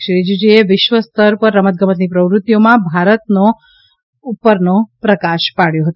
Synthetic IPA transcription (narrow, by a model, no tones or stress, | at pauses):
ʃɾid͡ʒd͡ʒieʋɪʃʋəst̪ʰəɾpəɾːəmət̪̚ɡʱəmət̪nipɾəʋɾʊt̪ːijomãbʱaɾət̪̚no | upəɾnopɾəkaʃpaɭjoɦət̪o